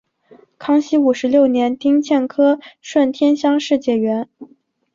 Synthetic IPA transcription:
kʰɑ˥ŋɕi˥u˨˩ʂɻ̩˧˥ljo˥˩ʊnjɛ˧˥nt̪i˥ŋt͡ɕʰjɛ˥˩nkʰɤ˥ʂwə˥˩nt̪ʰjɛ˥nɕjɑ˥ŋʂɻ̩˥˧t͡ɕjɛ˥˩ɥɛ˧˥n

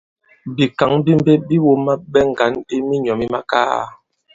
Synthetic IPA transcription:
bi˨ka˨˦ŋbi˦m˦be˦bi˦wo˦ma˦bɛ˦ŋ̩˨ɡa˨˦ni˦mi˦ɲɔ˨mi˦ma˦ka̰˦˨

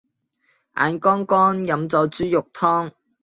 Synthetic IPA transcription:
ʔa̰ː˨˧nkɔː˥ŋkɔː˥njɐ˨˧mt͡sɔː˨˧wt͡syː˥jʊ˨k̚t̪ʰɔː˥ŋ

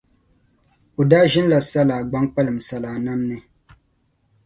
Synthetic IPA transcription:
o˨daː˦ʒɪ˦n˦la˨sa˦laː˨ɡ͡ba˦ŋk͡pa˦lɨ˨m˨sa˨laː˨na˦mnɨ˨

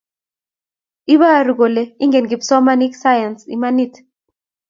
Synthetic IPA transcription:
i˦βa˦˨ɾu˨ko˨le˨i˦ŋɡe˨nɡi˨bsɔ˦ma˦ni˦ksa˦ja˨nsḭ˨ma˦ni˦˨t

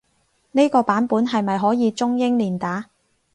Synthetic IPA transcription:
ne˥jkɔː˧paː˨˥npuː˨˥nɦɐ˨jmɐ˨jɦɔː˨˥jiː˨˧t͡sʊ˥ŋjɪ˥ŋliː˨˩nt̪aː˨˥

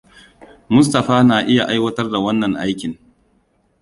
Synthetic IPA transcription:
mʊ˦s̬tɐ˨ɸaː˦naː˨ʔɪ˦ja˨ʔa˦jwɐ˦tɐ˦rda˨wɐ˦nːɐ˨ŋʔa˦jkʲɪ˨ŋ

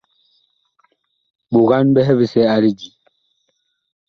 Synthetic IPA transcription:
ɓu˨ɣa˦nbɛ˦ɦɛ˦bi˦˨sɛ˦a˦ɾi˦d͡ʒi˨

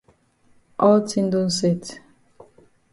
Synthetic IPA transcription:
ʔɔ˦ltĩ˦n˦dõ˦n̩˦sɛ˦˨t

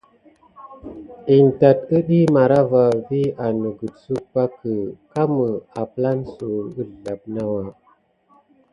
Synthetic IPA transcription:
i˨nta˨tə˦ɗi˦ma˨ɾa˦va˨vi˦a˨nə˨ɡu˨dsu˦pa˦kə˨ka˦mə˨a˨pla˦nsu˨ə˦˨ɮa˨p̚na˦wa˨

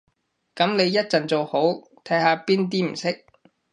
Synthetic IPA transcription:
kɐ˨˥mne˨˧jːɐ˥t̚t͡sɐ˨nt͡so˨˧who˨˥w | t̪ʰɐ˨˥jhaː˨˧piː˥nt̪̬iː˥m̩˨˩sɪ˥k̚

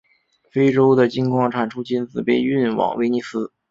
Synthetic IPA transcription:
fe˥ɪʈ͡ʂo˥ʊd̪ə˨t͡ɕi˥nkʰwɑ˥˩ŋʈ͡ʂʰa˨˩nʈ͡ʂʰu˥t͡ɕi˥nt͡sɹ̩˨˩pe˥˧ɪy˥˩nwɑ̰˨˩˦ŋwe˥ɪni˧˥sɹ̩˥

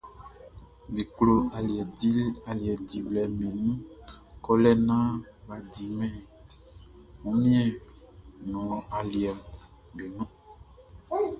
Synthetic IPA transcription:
be˨klo˨a˨˦a˨li˨ɛ˨di˨blɛ˨mẽ˨nũ˦ | kɔ˦lɛ˦nã˦ba˨di˨mɛ̃˨ | mũ˨˦mĩ˦ɛ̃˦ | nɔ̃˨ɔ̃˨ʔa˨li˨ɛ˨m | be˨nũ˦

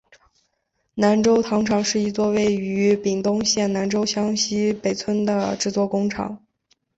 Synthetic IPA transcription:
na˧˥nʈ͡ʂo˥ʊt̪ʰɑ˧˥ŋʈ͡ʂʰɑ˧˥ŋʂɻ̩˥˩i˧˥t͡swɔ˥˧we˥˩ɪy˧˥pi˨˩ŋt̪ʊ˥ŋɕjɛ˥˩nna˧˥nʈ͡ʂo˥ʊɕjɑ˥ŋɕi˥pe˨˩ɪt͡sʰwə˥nd̪ə˨ʈ͡ʂɻ̩˥˧t͡swɔ˥˩kʊ˥ŋʈ͡ʂʰɑ̰˨˩˦ŋ

